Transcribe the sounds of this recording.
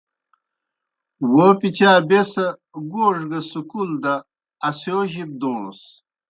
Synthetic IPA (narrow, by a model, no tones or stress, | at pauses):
wopit͡ɕaːbesɐ | ɡoːʐɡɐsukuld̪ɐː | sjoːʑib̚d̪oːs